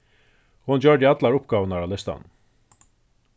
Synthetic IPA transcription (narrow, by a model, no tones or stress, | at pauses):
hʊnt͡ɕœɹd̪əat̪laɹʊpɡ̥aːvənaɾalɛst̪a̰n